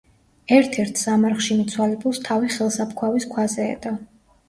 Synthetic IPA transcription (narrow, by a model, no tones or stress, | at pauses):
ɛɾt̪ʰɛɾt̪ʰzamaɾχʃimit̪sʰwalɛbulˠst̪ʰaviχɛlˠsapʰkʰwaviskʰwazɛ̰ːd̪̥a